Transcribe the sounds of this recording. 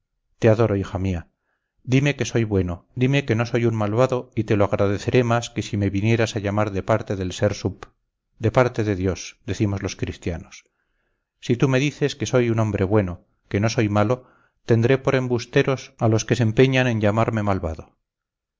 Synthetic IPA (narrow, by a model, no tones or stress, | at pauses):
t̪e̞aðo̞ɾo̞ixamia | d̪ime̞ke̞so̞jβwe̞nod̪ime̞ke̞no̞so̞junmalβaðo̞it̪e̞loaɣɾaðe̞θe̞ɾʔe̞maske̞sime̞βinje̞ɾasaʎamaɾðepaɾt̪e̞ðe̞lse̞ɾsup | d̪e̞paɾt̪e̞ðe̞ðjo̞sd̪eθimo̞zlo̞skɾist̪janosː | it̪ume̞ðiθe̞ske̞so̞junõ̞mbɾʔe̞βwe̞no̞ | ke̞no̞so̞jmalo̞ | t̪e̞nd̪ɾe̞po̞ɾe̞mbust̪e̞ɾo̞salo̞ske̞sempe̞ɲanẽ̞ɲʎamaɾme̞malβaðo̞